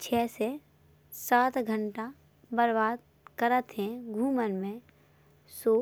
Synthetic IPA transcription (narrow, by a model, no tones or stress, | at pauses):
t͡ʃʰɛːse | saːt̪ɡʱəɳʈa | bəɾbaːd̪̚ | kəɾət̪ʰɦẽɡʱuːmənmẽ | soː